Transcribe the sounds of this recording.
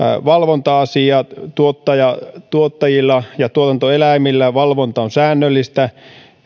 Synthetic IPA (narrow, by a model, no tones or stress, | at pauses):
ʋɑlʋont̪ɑɑsiɑt̪uot̪ːɑjɑt̪uot̪ːɑjilːɑjɑt̪uot̪ɑnt̪oelæimilːæʋɑlʋont̪ɑonsæːnːølːist̪æ